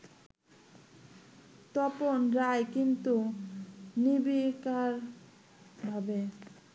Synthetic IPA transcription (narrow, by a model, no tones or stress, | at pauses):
t̪ɔponɾajkint̪u | nibikaɾ | bʱabe